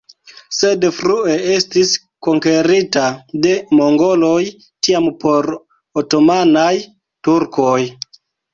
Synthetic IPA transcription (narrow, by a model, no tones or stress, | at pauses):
se̞dfɾue̞e̞stis | ko̞ŋke̞ɾitade̞mo̞ŋɡo̞loj | tiampo̞ɾ | oto̞manaj | tuɾkoj